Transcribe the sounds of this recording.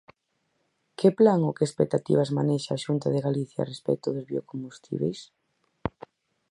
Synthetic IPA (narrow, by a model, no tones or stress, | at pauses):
keplaŋokeːspek̚t̪at̪ḭβ̞azmaneʃaaːʃunt̪aðeɣaliθja̰respɛ̰k̚t̪ʊðʊzβiokombust̪ʰḭβ̞ḛjs